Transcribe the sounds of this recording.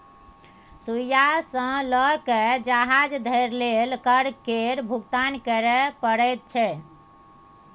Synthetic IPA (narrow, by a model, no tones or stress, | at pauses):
sujasə̃ləkɛd͡ʒaɦad͡ʒd̪ʱəɾlelkəɾkeɾbʱuɡt̪ankəɾɛpəɽɛjt̪̚t͡ʃʰɛ